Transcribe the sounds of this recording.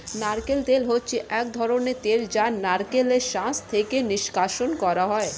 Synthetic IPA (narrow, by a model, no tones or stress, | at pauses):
naɾkelt̪elɦotːɕʰeʔɛkd̪ʱɔɾonet̪eld͡ʑanaɾkeleɾʃãst̪ʰekeniʃkaʃonkɔɾaɦɔe